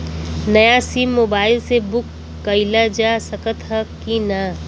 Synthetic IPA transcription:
nɐjasiːmːoːbaːɪlsebʊkː | ɐɪlad͡ʒaːsəkət̪ɦɐkinaː

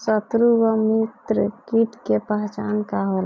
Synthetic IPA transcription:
sət̪ɾuʋəmit̪ɾəkiʈkepəɦt͡ʃankaɦol

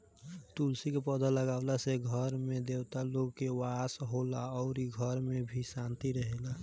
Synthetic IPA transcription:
t̪ulsikepəd̪ʱələɡaʊlaseɡʱəɾmed̪ewt̪aloɡkewasɦolaɔʊɾiɡʱəɾmebʱisant̪iɾəɦela

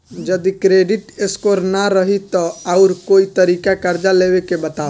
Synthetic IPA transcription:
d͡ʒəd̪ikɾeːɖɪʈɪskoːɾnaɾəɦit̪ɔaʊɾkoːit̪əɾiːkakɐɾd͡ʒaleːwekebət̪aː

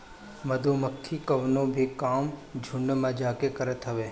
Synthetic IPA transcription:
məd̪oməkʰːikəʋnõbʱikaːmd͡ʒʱʊɳːəmãd͡ʒaːkekəɾət̪ɦəʋe

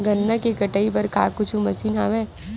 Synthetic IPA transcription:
ɡɐnːakekɐʈaipɐɾkaːkʊt͡ʃʰumɐsiːnɦaʋɛ̃ː

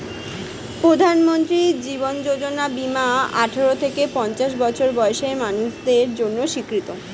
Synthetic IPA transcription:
pɾod̪ʱanmont̪ɾid͡ʑibond͡ʑod͡ʑonabimaaʈʰeɾot̪ʰekepɔnt͡ɕaʃ̬bɔt͡ɕʰoɾbɔeʃeɾmanuʃd̪eɾd͡ʑonːoʃikɾit̪o

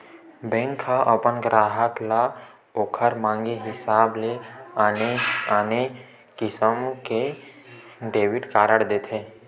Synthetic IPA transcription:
bɛ̃ːŋkʰːaʔəpənɡɾaːɦəkla | oːkʰəɾmãːŋɡeɦɪsaːble | aːne | kɪsəmke | ɖeːʋɪʈkaːɾəɽd̪eːt̪ʰɦeː

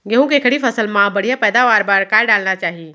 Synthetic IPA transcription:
ɡeɦũkekʰəɽifʰɐsəlmãbɐɽijapɛːd̪aːʋaːɾbaːɾkaːɖaːlnat͡ʃaːɦi

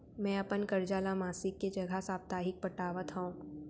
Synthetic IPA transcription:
mɛ̃ːɐpənkɐɾd͡ʒaːlamaːsɪkːed͡ʒɐɡʱasaːb̚t̪aːɦɪk̚pɐʈaːʋət̪ɦõũː

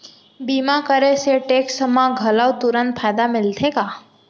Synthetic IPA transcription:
bimakəɾeseʈeksəmãɡʱəlawt̪uɾə̃nt̪fʰajd̪amɪlt̪ʰeka

